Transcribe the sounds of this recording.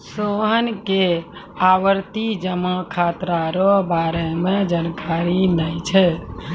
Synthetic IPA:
soɦənke | aʋəɾt̪id͡ʒəmakʰat̪ɾaɾɔbaɾɛmed͡ʒankaɾinəjt͡ʃʰɛ

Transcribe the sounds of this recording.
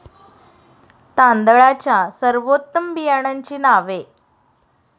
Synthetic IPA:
t̪ãnd̪əɭat͡ɕjasəɾʋot̪ːəmbijaɽ̃aɲt͡ɕiːnaʋe

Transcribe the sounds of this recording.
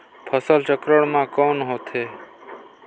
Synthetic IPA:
pʰəsəlt͡ʃəkɾəɳmãːkoːnɦoːt̪ʰeː

